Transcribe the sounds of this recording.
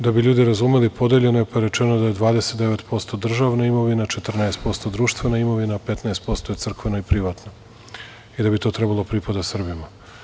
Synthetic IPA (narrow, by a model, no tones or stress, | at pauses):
d̪abiʎuːd̪iɾazumelipʰo̞d̪eʎe̞noepajeɾe̞t͡ʃenod̪ajed̪ʋaːd̪eset̪̚d̪e̞ʋe̞t̪po̞st̪o̞d̪r̩ʒaʋnaimo̞ʋinat͡ʃet̪r̩naest̪po̞st̪o̞d̪ɾuːʃt̪ʋenaimo̞ʋinape̞t̪naest̪̚po̞st̪ojesr̩kʋeno̞ipɾiʋat̪no | id̪abit̪o̞ːt̪ɾebalˠo̞pɾipad̪asr̩bima